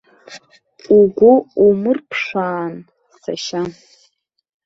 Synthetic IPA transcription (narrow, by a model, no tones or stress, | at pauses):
uɡʷʊumɨrpʰʂaːn | sa̰ʃa